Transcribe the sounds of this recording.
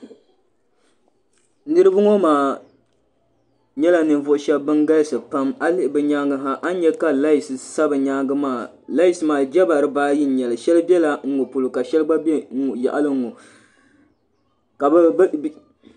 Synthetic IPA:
nɨ˦ɾɨ˦bɨ˦ŋɔ˦maː˨ | ɲɛ˦la˨nɨ˨nvʊ˦ʔʃɛ˦bbɨ˦nɡa˦lsɨ˨pa˦ma˦lɪ˦ʔbɨ˨ɲaː˦ŋɡɨ˦ɦa˦ʔa˦n˦ɲɛ˦ka˨la˦i˨sɨ˨sa˦bɨ˨ɲaː˦ɡɨ˦maː˦˨ | la˦ji˨sɨ˨maː˨d͡ʒɛ˦ba˨ɾɨ˦baː˦ji˦n˨˦ɲɛ˨lɨ˨ʃɛ˦lɨ˦bɛ˦la˨ŋ̩˦ŋo˨pʊ˨lo˨ka˨ʃɛ˦lɨ˦ɡ͡ba˦bɛ˦u˨ja̰˨ʔa˦lɨ˦ŋ˦˨o˨ | ka˨b

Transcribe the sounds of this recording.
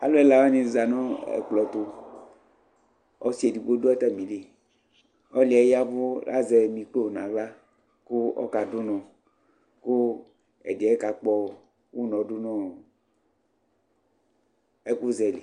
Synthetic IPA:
a˨lo˦ɛ˦la˨˦wɔ˦nĩ˨za˨nɔ̃˦ɛ̰˨k͡plɔ˨t̪o˦ | ɔ̰˦si˦e˨di˨ɡ͡bo˦do˦ɛ˦t̪a˦mĩ˨li˨ | ɔ˦li˨ɛ˦ja˦vo˦la̰˦zɛ˨mĩ˨k͡plo˦˨nã̰˨va˦ | ku˦ɔ̰˦ka˨du˦nɔ̃˨ | ku˦ | ɛ̰˨de˨ɛ˦ka˨k͡pɔ˦ | wu˦nɔ̃˨du˦nɔ̃˦ | ɛ˦ku˦zɛ˨le˨

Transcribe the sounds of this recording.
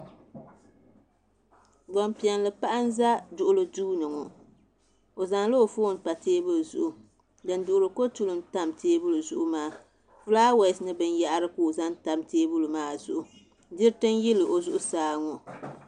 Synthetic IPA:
ɡ͡bɔ˨mpi˨ɛ˨nlɨ˨pa˦ʔa˦n˦za˦dʊ˨ʔʊ˦lɨ˨duː˦nɨ˨ŋɔ˨ | o˨za˨ŋlo˦o˨foː˦n˦ta˨teː˦bɨ˦˨zʊ̰˨ʔʊ˨ | dɨ˨n˦dʊ˨ʔʊ˨ɾɨ˨ko˦tu˦lɨ˨mta˦mtʰeː˦bu˦lɨ˨zʊ˨ʔʊ˦maː˦ | fu˦laː˦we˨snɨ˦bɨ˦n˦ja˦ʔa˦ɾɨ˦ko˦˨za˦n˦ta˨mteː˦bu˦lɨ˨maː˦˨zʊ˨ʔʊ˨ | dɪ˦ɾtɨ˦nji˦lɨ˨ʔo˨zʊ˦ʔʊ˦saː˨˦ŋɔ˨

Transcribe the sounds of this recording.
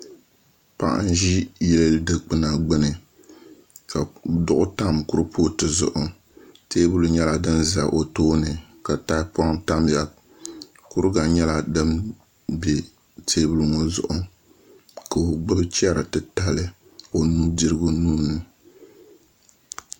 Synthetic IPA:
pa̰˨ʔa̰˦n˦ʒi˦jɛ˦lɨ˦ldɨ˦k͡pɨ˦na˨ɡ͡bɨ˦nɨ˨ | ka˨dʊ˦ʔʊ˦ta˦mkʊ˦ɾpʰoː˦tɨ˨zʊ̰˦ʔʊ˨ | teː˦bu˦lu˦ɲɛ˦la˨dɨ˦nza˨ʔo˨toː˦nɨ˨ka˨ta˦pɔ˦ŋta˦m˦ja˨ | ku˦ɾɨ˦ɡa˨ɲɛ˦la˨dɨ˦m | bɛ˨ | tʰeː˦bu˦lu˦ŋɔ˨zʊ̰˦ʔʊ˨ | ka˨o˨ɡ͡bɨ˦bt͡ʃi˦a˦ɾa˨tɨ˨ta˦lɨ˦ | o˨nu˦di˦ɾɨ˦ɡʊ˦nuː˦nːɨ˨

